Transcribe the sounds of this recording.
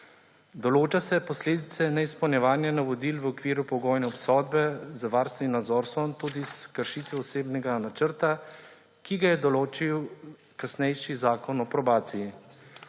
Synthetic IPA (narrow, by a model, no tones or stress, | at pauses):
d̪ɔloːt͡ʃasɛpɔsleːd̪it̪sɛnɛispɐwnʲjɛʋaːnjanaʋɔd̪iːlʋɔkʋiːɾupɔɡɔːjnɛɔpsɔːd̪̚bɛzaʋaɾst̪inad̪zɔːɾsɔnt̪ud̪iskəɾʃiːt̪ʋɛɔseːbnɛɡanat͡ʃəɾt̪a | kiɡajɛd̪ɔloːt͡ʃiw | kasnɛjʃizaːkɔnɔpɾɔbaːt̪siji